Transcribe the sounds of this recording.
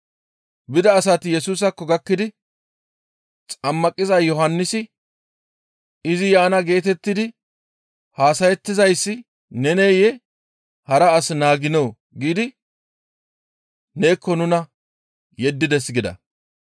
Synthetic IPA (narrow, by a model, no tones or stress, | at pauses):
bɪd̪ɐːsɐt̪ɪjɛsuːs̬ɐkːɔɡɐkːɪd̪ɪ | t͡sʼɐmːɐkʼːɪzɐjɔhɐnːɪsɪ | ɪzɪjaːnɐɡe̞ːt̪ɛt̪ːɪd̪ɪ | haːsɐjɛt̪ːɪzɐjsːɪ | nɛneːjɛ | hɐɾɐːsnaːɡɪno̞ː | ɡiːd̪ɪ | ne̞ːkːɔnʊnɐ | jɛd̪ːɪd̪ɛsɡɪd̪ɐ̰